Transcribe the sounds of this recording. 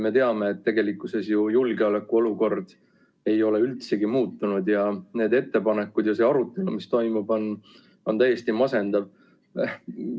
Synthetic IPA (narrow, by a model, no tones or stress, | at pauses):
me̞t̪e̞ɑme̞ːt̪ːe̞ɡe̞likːˑuse̞sjujulɡeolekːuo̞luko̞rd̪̥ | e̞jo̞le̞ylt̪se̞ɡ̥imuːt̪ːunud̪jɑne̞ːd̪e̞t̪ːe̞pɑne̞kːud̪jɑse̞ɑɾut̪ːˑe̞lumist̪o̞jmub̥o̞n | o̞nt̪æjːe̞st̪imɑse̞nd̪̥ɑv